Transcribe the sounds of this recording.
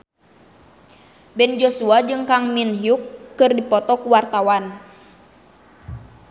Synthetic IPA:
bɛnd͡ʒosuad͡ʒɨŋkaŋminɦiukːɨrdipɔt̪ɔkuwart̪awan

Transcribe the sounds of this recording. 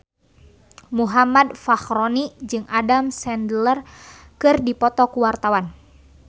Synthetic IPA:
muɦamadfaxɾɔnid͡ʒɨŋadamsɛndlər | kɨrdipɔt̪ɔkuwart̪awan

